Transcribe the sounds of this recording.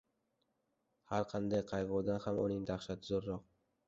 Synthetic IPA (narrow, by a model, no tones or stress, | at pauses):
haɾqʰɑnd̪ajqʰɑjʁʊwd̪anhamʊ̰nɪŋd̪aχʃat̪ʰɪzoɾːɒq̚